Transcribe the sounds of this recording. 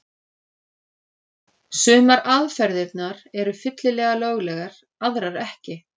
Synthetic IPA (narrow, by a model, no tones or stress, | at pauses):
sʏːmaɾaðfɛɾðɪt̪naɾɛɾʏfɪt̪lɪlɛːɣaloːwɣlɛɣaɾ̥ | aðɾaɾɛhcɪ